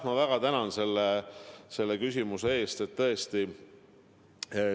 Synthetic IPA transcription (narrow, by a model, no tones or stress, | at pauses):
mɑvæɡ̥ɑt̪ænɑnse̞lːese̞lːekysʲimusee̞ːst̪et̪ːɤe̞st̪i